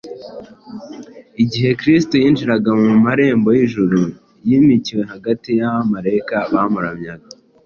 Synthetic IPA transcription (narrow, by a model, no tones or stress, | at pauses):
iɟiɦe̞kɾistojiːnd͡ʒiɾaɡamumaɾe̞ːmbo̞jiʒuɾu | jiːmiciwe̞ɦaɡatijaβamaɾeikaβaːmuɾamɲaɡa